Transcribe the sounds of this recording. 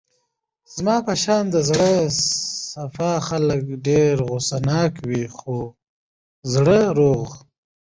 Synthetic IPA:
z̥mɑːpəʃɑːnd̪əzɽə | safɑxaləkɖeɾɣosanɑkwixo | zɽəɾoɣ

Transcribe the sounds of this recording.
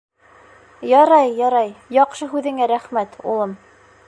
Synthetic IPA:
jɑɾɑjːɑɾɑjjɑqʃɤɦʉðɘ̆ŋæɾæχmæt̪ṵlˠɤm

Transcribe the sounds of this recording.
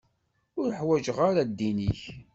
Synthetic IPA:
ʊɾəħwæd͡ʒəʁaɾad̪ːiniç

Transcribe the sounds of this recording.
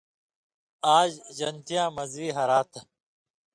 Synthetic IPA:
aːd͡ʑʑɐnt̪ijãːmɐzwiːɦɐɾaːt̪ʰɐ

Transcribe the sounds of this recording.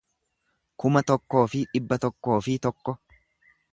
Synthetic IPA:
kʊmɐt̪ɔkːo̞ːfɪᶑɪbːɐt̪ɔkːo̞ːfɪt̪ɔkːɔ

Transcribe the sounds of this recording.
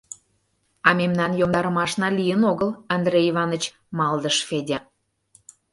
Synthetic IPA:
ɑmemnɑnjomd̪ɑɾə̆mɑʃnɑlijənoɣəlɑnd̪reivɑnə̆t͡ɕ | mɑld̪əʃfedʲe

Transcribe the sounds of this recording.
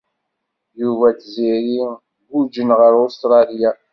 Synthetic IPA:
juvæt͡sziɾi | ɡud͡ʒənʁəɾost̪ɾˤɑlja

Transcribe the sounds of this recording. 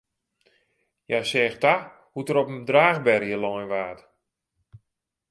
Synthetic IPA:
jasɛːxta | hutəɾɔpəndraːxbɛrjəlɔjnʋaːt

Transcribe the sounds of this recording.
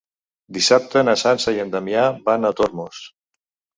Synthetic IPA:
d̪isap̚t̪ənasansajend̪amjabanat̪oɾmos

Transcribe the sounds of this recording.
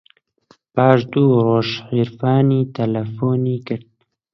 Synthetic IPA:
pɑːʃd̪uːɾoːʃħiːɾfɑːniːt̪ʰalafoniːkɨɾd̪̚

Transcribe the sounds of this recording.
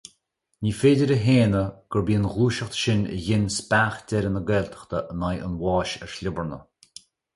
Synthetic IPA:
nʲiːfeːdəɾəɦeːnəɡ̥əɹbiːənɣuːʃəxt̪ə̥ʃɪnʲə̰jɪnspaːxdʲɛɾənəɡɛːlt̪ʰə̥xt̪ʰəʔnajə̰nwɑːʃɛ̰ɹʃlʲʊbəɹnə

